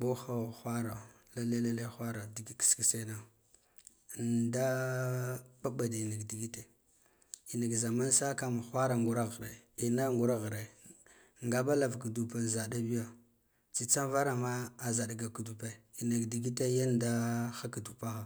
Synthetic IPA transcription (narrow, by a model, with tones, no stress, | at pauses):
bo˦xa˦˨xʷa˦ɾa˨ | la˦le˦le˦le˦xʷa˦ɾa˨di˨ɡi˦kski˨se˦na˨ | nda˦ | ɓa˦ba˨da˨na˨ɡdi˨ɡi˦te˦ | i˨na˨ɡza˨ma˦n˦sa˦ka˦ma˨xʷa˦ɾa˨ŋɡu˨ɾa˦ɣɾe˨i˨na˦ŋɡu˨ɾa˦ɣɾe˨ | ŋɡa˦ba˦la˨vku˨du˨pa˨n˨za˨da˦bi˦ja˨ | t͡si˦t͡sa˦nva˦ɾa˨ma˦a˨za˨da˨ɡa˨ku˨du˨pe˦˨i˨na˨ɡdi˨ɡi˦te˦ja˦n˦da˦xa˦ka˨du˨pa˦ɣa˨